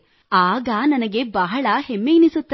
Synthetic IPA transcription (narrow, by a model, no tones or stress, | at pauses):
aːɡɐnɐnɐɡe̞bɐɦɐɭɐhemːejnisut̪ːɐ